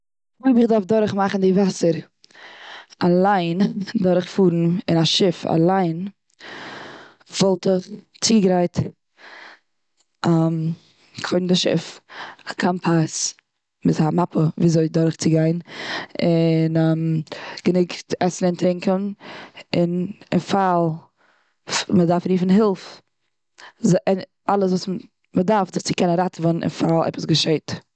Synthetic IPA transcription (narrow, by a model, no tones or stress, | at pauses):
viːbɪχdaɾfdɔɾχmaχn̩dɪvasəɾ | alˠaɪndɔɾχfuːɾn̩ɪnaʃɪfa̰lˠaɪn | vɔlˠtəχ | t͡siːɡɾaɪt | am | kʰoɪn̩dɪʃɪ̰fakʰanpʰas | mɪthamapʰəviːzoɪdɔɾχt͡sɪɡaɪnɪnːmɡ̥ənɪktɛsn̩ɪntɾɪŋkən | ɪnɪ̰nfalˠ | mədaɾfɾiːfn̩ɦɪlˠf | zʔɪn | alˠəs̬vuːs | mədaɾfzɪt͡sɪkɛnənɾatvɔnnɪ̰nfalˠɛ̰pəsɡəʃeɪt